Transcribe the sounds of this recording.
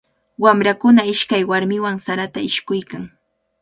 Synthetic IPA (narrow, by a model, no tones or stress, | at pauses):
wamɾakʊnaɪʃkajwaɾmɪwaŋsaɾat̪aɪʃkʊjkaŋ